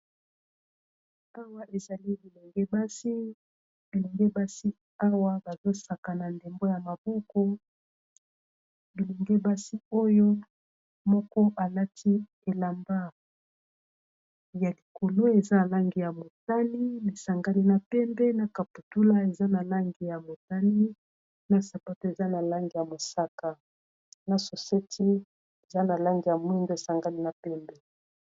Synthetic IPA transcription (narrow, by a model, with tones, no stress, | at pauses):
a˦wa˦ʔe˨za˨li˦bi˨lɛ˨ŋɡɛ˦ba˦si˦ | bi˨lɛ˨ŋɡɛ˦ba˦si˦ | a˦wa˦ba˨zo˦sa˨ka˨na˨nde˨mbo˦ja˨ma˨bɔ˦kɔ˦ | bi˨le˨ŋɡɛ˦ba˦si˦o˦jo˦ | mɔ˦kɔ˦ʔa˨la˦tʰi˦ | e˨la˨mba˦ | ja˨li˨ko˨lo˦e˨za˦na˨la˦ŋɡi˨ja˨mo˨ta˦ni˦mi˨sa˨ŋɡa˦ni˦na˨pɛ˦mbɛ˦na˨ka˨pu˨tu˦la˦e˨za˦na˨la˦ŋɡi˨ja˨mo˨ta˦ni˦ | na˨sa˨pa˦to˦e˨za˦na˨la˦ŋɡi˨ja˨mo˨sa˦ka˨ | na˨so˨se˦tʰi˦ | e˨za˦na˨la˦ŋɡi˨ja˨mwi˦ndo˦e˨sa˨ŋɡa˦ni˦na˨pɛ˦mbɛ˦